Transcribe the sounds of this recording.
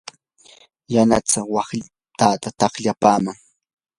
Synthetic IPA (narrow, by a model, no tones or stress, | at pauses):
jana̰t͡sawɑχ | t̪aːt̪at̪ɑχʎapaːmaŋ